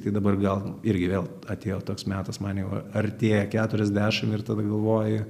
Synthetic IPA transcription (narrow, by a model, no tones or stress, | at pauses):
t̪ɐɪd̪ɐbɐrɡɐlˠɪɾʲɡʲɪʋʲeːlˠ | ɐt̪ʲeːjoːt̪oːksmʲæːt̪ɐsmɑnjɛʊɐɐrʲt̪ʲeːjɛkʲæːt̪ʊɾʲɛzʲd̪ʲæːʃʲɪmɪrt̪ɐd̪ɐɡɐlˠʋoːjɪ